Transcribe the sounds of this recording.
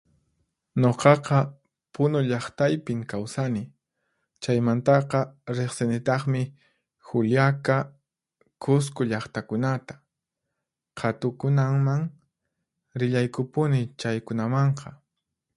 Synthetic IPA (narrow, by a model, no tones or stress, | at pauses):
ɲoqɑqɑ | pʊnʊʎɑχt̪ajpɪŋkawsanɪ | t͡ʃajmant̪ɑqɑɾeχsɪnɪt̪ɑχmɪ | xʊljaka | kʊs̬kʊʎɑχt̪akʊnat̪ḁ | qʰɑt̪ʊkʊnamaŋ | ɾɪʎajkʊpʊnɪt͡ʃajkʊnamɑɴqʰɑ